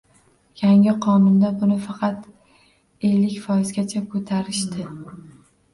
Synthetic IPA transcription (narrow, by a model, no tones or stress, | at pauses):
jaŋʲɪqʰɒnʊnd̪abʊnɪfɑqʰɑt̪ | e̞lːɪkʲfɒɪzɡʲat͡ʃʰakʰɵt̪ʰaɾɪʃt̪ɪ